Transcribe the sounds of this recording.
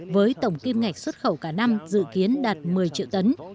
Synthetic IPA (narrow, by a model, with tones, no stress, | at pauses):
vəː˨˦jt̪ə˧˩wŋ͡mki˧mŋa˨˩jk̟̚swə˦˥t̚xə˧˩wkaː˧˩na˧mzɨ̰˧˨ki˨˦ənɗaː˨˩t̚mɨ˨˩əjt͡ɕḭ˧˨əwt̪ə˨˦n